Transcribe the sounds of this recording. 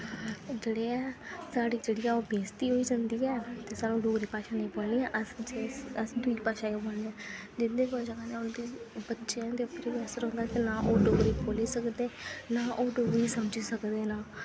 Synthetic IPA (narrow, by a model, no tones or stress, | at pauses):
d͡ʒeːɽeːɛːsaːɽiːd͡ʒeːɽiːjãːoːbeːst̪iːɦoːiːd͡ʒãːnd̪iːɛːt̪eːsaːnũːɖoːɡɾiːpaːʃãːnə̃ĩːboːlneːɛ̃ːʔəsd͡ʒeəsd̪ʊipaːʃãːjeːboːlneɛ̃ːd͡ʒɪnd̪eːkəd͡ʒəãːneːʊnd̪iːbətːʃeãːt̪eːʊpəɾeːbɛːsəɾɦõnd̪aːk̪enãːʔoːɖoːɡɾeːkoːleːsəkd̪eːnaːʔoːɖoːɡɾiːsəməd͡ʒiːsəkd̪eːnãː